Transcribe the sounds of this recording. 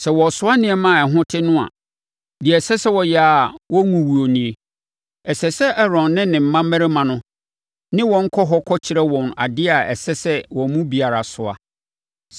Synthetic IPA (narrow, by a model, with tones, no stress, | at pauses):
sɛ˨wɔ˨sʊ˦a˦nɪ̃˨ɛ˦mã˦˨ɛ˨ɦʊ̃˦tʰɪ˦nʊ̃˦a̰˨ | di˨ɛ˨sɛ˦sɛ˦wɔ˨jɛ˨a˨wɔ˦ŋũ˨wu˨o˨nĩ˨e˨ | ɛ˨sɛ˨sɛ˦ʔɛ˦ɾɔ̃˨n˦nɪ̃˦nɪ̃˨m̩˨˦mã˦mɛ̃˦ɾe˦mã˨nʊ̃˦ | nɪ̃˦wɔ̃˨ŋ̩˦kʰɔ˦ɦɔ˦kʰɔ˦t͡ɕʰɪ˨ɾɛ˦wɔ̃˨na̰˨dɪ˦a˨ɛ̰˨sɛ˦sɛ˦wɔ̃˨mũ˦bi˨a˨ɾa˨sʊ˨a̰˨